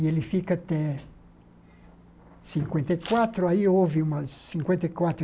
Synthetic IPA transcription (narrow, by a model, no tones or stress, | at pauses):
ielɪfikɐat̪ɛ | sĩŋkwẽnt̪ɐikwat̪ɾʊaiovɪũmɐsːĩŋkwẽnt̪ɐikwat̪ɾ